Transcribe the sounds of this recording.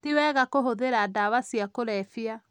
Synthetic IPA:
tiwɛːɣakoɦoðeɾadaβasiakoɾɛfia

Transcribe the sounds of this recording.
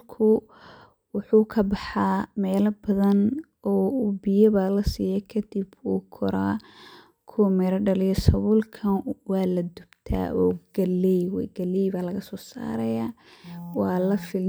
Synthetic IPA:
kʰʊ | wʊħuːkʰɐbɑħɑːmɛːlɐbɐðɐn | ɔːubɪjɐβaːlɐsiːjɛkʰɐd̪̥ibuːkʰɔɾaː | kʰʊmɛɾɐɖɐlɪjɔsɐβʊlkʰɐnwɑːlɐd̪ʊbt̪ʰa̰ːʔɔːɡ̥ɐlːɛjwɡɐlɛjbaːlɐɣɐsɔːsa̰ːɾɐjaːwɑːlɐfɪl

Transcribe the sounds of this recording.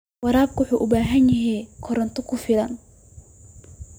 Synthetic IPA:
wɑɾaːb̚kʰʊwʊħuːʔʊbaːɦɐnjɐɦɛjkʰɔɾɐnt̪ʰɔkʰʊfɪlɐn

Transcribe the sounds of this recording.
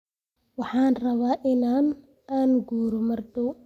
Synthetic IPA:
wɑħɑːnrɐβaːʔɪnaːn | aːnɡuːɾɔmɐrd̪ɔ

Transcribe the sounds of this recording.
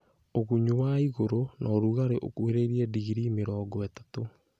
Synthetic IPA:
oɣuɲuwaiɣoɾonɔːɾuɣaɾeʔo̰kweɾeɾiɛdiɣiɾimeɾɔːɡɔɛtato

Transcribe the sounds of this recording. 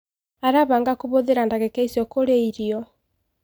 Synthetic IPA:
aɾaβaŋɡakoβoðeɾandaɣɛkɛisjɔkoɾeiɾiɔ

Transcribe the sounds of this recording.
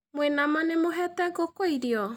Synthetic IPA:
mwenamanemoɦɛtɛɡokoiɾiɔ

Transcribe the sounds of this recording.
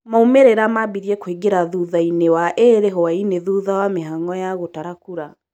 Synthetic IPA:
maumeɾeɾamabiɾjɛkweɡeɾaðuðainewaʔeɾeɦɔaineðuðawameɦaŋɔjaɣotaɾakuɾa

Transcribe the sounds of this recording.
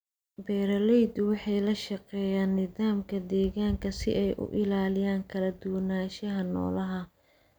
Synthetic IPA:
bɛːɾɐlɛjd̪wɑħɑjlɐʃɑqɛːjaːnːɪðaːmkʰɐd̪ɛːɣaːŋkʰɐsɪ̰ʔɛjʔʊ̰ʔɪlaːlɪjaːŋkʰɐlɐd̪ʊwɐnaːʃɐɦɐnɔ̰ːlɐɦɐ

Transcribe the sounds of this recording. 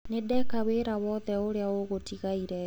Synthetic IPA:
nedɛkaβeɾawɔːðɛoɾeaoɣotiɣaiɾɛ

